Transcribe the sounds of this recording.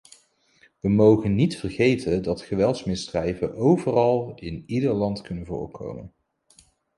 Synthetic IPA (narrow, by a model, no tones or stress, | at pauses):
ʋəmowχənːitfərχejtʰəndɑtχəʋɛlˠtsmɪsdrɛjvənʔowvərɑlˠɪnidəɹlɑntkɵnənvʊ̰ːɹkʰo̰wmə̰n